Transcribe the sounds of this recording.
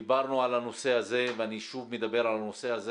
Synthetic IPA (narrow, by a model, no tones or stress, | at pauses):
baʁnuʕalano̞se̞haze̞veaniʃuvmed̪abe̞ʁalanose̞aze